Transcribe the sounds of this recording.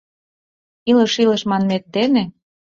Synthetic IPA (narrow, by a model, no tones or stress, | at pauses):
ilə̆ʃilə̆ʃmɑnmet̪̚d̪ene